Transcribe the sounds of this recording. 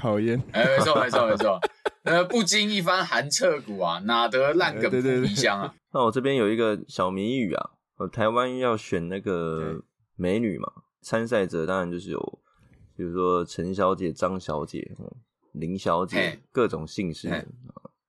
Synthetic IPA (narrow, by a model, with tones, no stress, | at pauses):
kʰɑ˨˩ʊjɛ˥˨ne˥˩me˧ɪt͡sʰɔ˥˨˧me˧˦ɪt͡sʰɔ˥˨me˧˥t͡sʰɔ˥˧ə˧pu˥˧t͡ɕi˥ni˥˩fa˥nxa˧˦nt͡sʰɤ˥˩ku˨˩a˩na˨˩t̪ɤ˧˦la˥˨nkə˨˩˧ɕja˦˥ŋa˨˩na˥˩wɔ˨˩ʈ͡ʂɤ˥˩pjɛ˥njo˨˩ʊi˧˥ɡə˨ɕjɑ˨˩ʊmi˧˥ŋy˨˩a̰˨˩ | ə˧˩t̪ʰa˧˦ɪwa˦njɑ˥˩ʊɕɥɛ˨˩nna˥˩ɡə˩ | me˧˥ɪny̰˨˩mʔa̰˩ | t͡sʰa˦˥ns̬a˥˩ɪʈ͡ʂɤ˨˦t̪ɑ˥ŋɻa˧nt͡ɕjʊʂɻ̩˥˩jo̰˨˩ʊ | pʰju˨˩u˧˦˥ʂwɔ˦ʈ͡ʂʰə˧˦nɕjɑ˧˥ʊt͡ɕjɛ˨˩ʈ͡ʂɑ˦˥ŋɕjɑ˧˥ʊt͡ɕjɛ̰˨˩˦ | li˧˥ŋɕjɑ˧˥ʊt͡ɕjɛ̰˨˩˨kɤ˥˨ʈ͡ʂʊ˨˩ŋɕi˥˧ŋʂɻ̩˥˩